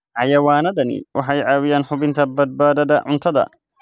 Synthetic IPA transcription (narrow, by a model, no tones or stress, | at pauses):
ʕajɐwaːnɐd̪ɐnḭwʔaħajʕaːwɪjanħʊbɪnt̪ɐbːɐt̪̚baːd̪ɐd̪ɐʕʊnt̪ɐd̪ɐ̰